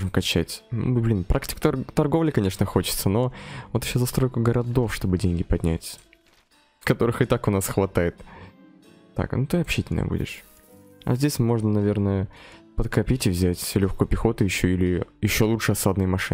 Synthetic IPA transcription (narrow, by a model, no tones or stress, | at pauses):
ʐɨmkɐt͡ɕætʲnṵblʲinpɾʔaktʲɪ̥kə̥t̪t̪ɐrɡo̞vlʲɪkɐnʲe̞ʂnəxo̞t͡ɕɪ̥t̪səno̞vot̪ɪɕːozɐst̪ɾo̞jkʊɡəɾɐd̪o̞fʂt̪o̞bɨdʲenʲɡʲɪpɐdʲnʲæ̰tʲ | kɐt̪o̞ɾɨxɨt̪akʊnasxvɐt̪ajɪt̪ | t̪ːa̰knut̪ɨɐpɕːitʲɪlʲnə̰jə̰bṵdʲɪ̰ʂ | ɐ̰zʲdʲesʲmo̞ʐnənɐvʲe̞rnəjəpət̪kɐpʲitʲɪvzʲætʲfsʲelʲoxkojʊpʲɪxo̞t̪ʊjɪɕːoilʲɪjɪɕːo̞lˠuʂɨɐsad̪nɨjmɐʂɨ